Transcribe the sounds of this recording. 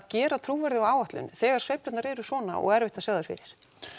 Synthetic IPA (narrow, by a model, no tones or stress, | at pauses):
cɛːɾat̪ʰɾuːvɛɾðɪaaːwaht̪lʏ̰nθɛːɣaɾ̥svejplʏt̪naɾɛːɾʏsvɔːna̰ʔɔ̰ɣɛɾvɪht̪asaːɣðʏɾ̥fɪ̰ːɾɪɾ̥